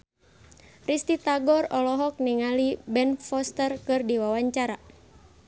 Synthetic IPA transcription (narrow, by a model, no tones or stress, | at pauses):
rist̪it̪aɡɔrɔlɔɦɔk̚niŋalibɛnfɔst̪ərkɨrdiwawaɲt͡ʃaɾa